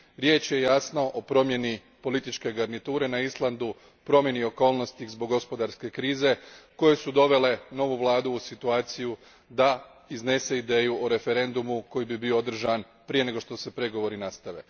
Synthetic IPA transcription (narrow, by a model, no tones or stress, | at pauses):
ɾje̞ːt͡ʃje̞jasno̞ʔopɾo̞mje̞ni | po̞lit̪it͡ʃke̞ɡaɾnit̪uːɾe̞naislˠand̪u | pɾo̞mje̞nio̞ko̞ːlˠno̞st̪izbo̞ɡːo̞spo̞d̪aɾske̞kɾiːze̞ko̞je̞sud̪o̞ʋe̞le̞no̞ʋuʋlˠaːd̪uːsit̪uaːt̪siju | d̪a | izne̞se̞id̪e̞ːjuʔoɾe̞fe̞ɾe̞nd̪umuko̞jibibiood̪r̩ʒan | pɾije̞ne̞ɡo̞ʃt̪o̞se̞pɾe̞ɡo̞ʋo̞ɾinast̪aʋe̞̰